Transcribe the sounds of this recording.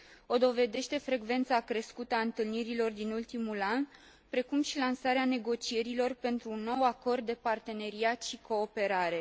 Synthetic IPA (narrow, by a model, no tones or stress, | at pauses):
o̞d̪o̞ve̞d̪e̞ʃt̪e̞fɾe̞ɡve̞nt̪sakɾe̞skut̪əaɨnt̪ɨlniɾilo̞rd̪inult̪imulan | pɾe̞kumʃilansaɾeane̞ɡo̞t͡ʃie̞ɾilo̞rpe̞nt̪ɾuːnːo̞wako̞rd̪̚ːe̞part̪e̞ne̞ɾiat̪ʃikʰo̞ːpe̞ɾaɾe̞